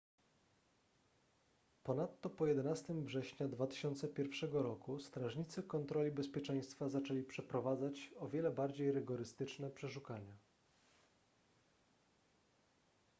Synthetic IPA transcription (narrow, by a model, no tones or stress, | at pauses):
pɔnat̪ːɔpɔjɛd̪ɛnast̪ɘmvʐɛɕɲad̪vat̪ɘ̥ɕɔnt̪sɛpʲjɛɾfʂɛɡɔɾɔkust̪ɾaʐɲit̪sɘkɔnt̪ɾɔlʲibɛspʲjɛt͡ʂɛj̃st̪fazat͡ʂɛlʲipʂɛpɾɔvad̪zat͡ɕɔvʲjɛlɛbaɾd͡ʑejɾɘɡɔɾɘst̪ɘt͡ʂnɛpʂɛʂukaɲa